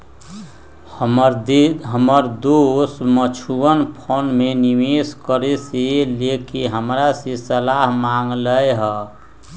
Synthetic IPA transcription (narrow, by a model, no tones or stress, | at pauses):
ɦəməɾd̪osmət͡ʃʰuənpʰonmenimeskəɾeselekeɦəmɾasesəlaɦmaŋɡləeɦə